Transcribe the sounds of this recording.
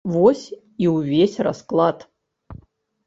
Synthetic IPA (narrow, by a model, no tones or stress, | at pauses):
vosʲ | iwuvʲesʲrɐ̰sklˠat̪